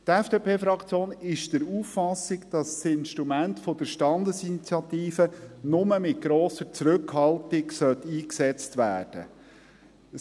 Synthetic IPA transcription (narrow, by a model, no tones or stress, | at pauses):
t̪ɛfd̥eːpeːfɾɑkt͡sjoːnɪʃd̥əɾuːfːɑsɪɡd̥ɑssɪnʃtɾumæntfɔd̥əɾʃtɑnd̪əsinit͡sjɑt̪iːfənʊməmɪt̚ɡ̥ɾoːsəɾt͡sɾʉkhɑltɪksœlt̪iːksɛt͡stʋæ̰ːrd̥ə̰